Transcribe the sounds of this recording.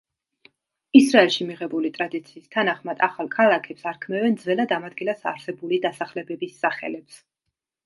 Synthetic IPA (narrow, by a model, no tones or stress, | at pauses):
isɾaɛlˠʃimiʁɛbulit̪ʼɾad̪it̪sʰiːst̪ʰanaχmad̪aχalˠkʰalˠakʰɛpsaɾkʰmɛvɛnd̪zvɛlad̪amad̪̚ɡilasa̰ɾsɛbulid̪asaχlɛbɛbisːaχɛ̰lɛps